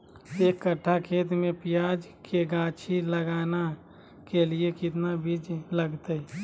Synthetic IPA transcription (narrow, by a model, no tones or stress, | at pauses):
seːkːəʈʰːakʰeːt̪mẽpijaːd͡ʒkʰeɡãːt͡ʃʰiləɡaːna | keliekɪt̪nabʱid͡ʒləɡt̪ə